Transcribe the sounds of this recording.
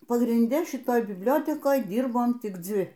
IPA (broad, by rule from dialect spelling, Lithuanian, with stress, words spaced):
pɐɡrʲɪnʲˈdʲɛ ʃʲɪˈtoːj bʲɪbʲˈlʲoːtʲɛkoːj ˈdʲiːrboːm tʲɪk ˈd͡zʲɪ